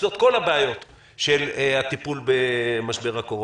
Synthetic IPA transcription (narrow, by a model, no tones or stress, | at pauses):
zo̞t̪̚ko̞lhabeajo̞t̪ | ʃelhat̪ipulbemaʃbe̞ʁako̞ʁo